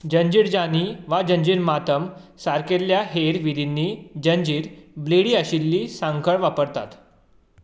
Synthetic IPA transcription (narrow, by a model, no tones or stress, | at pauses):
d͡ʑəɲd͡ʑiːɽd͡ʑaniʋad͡ʑəɲd͡ʑiːɾmat̪əmsaɾkeljaɦeɾʋid̪inːiːd͡ʑəɲd͡ʑiːɾbleɽiːəɕilːiːsãŋkʰəɭʋapəɾt̪at̪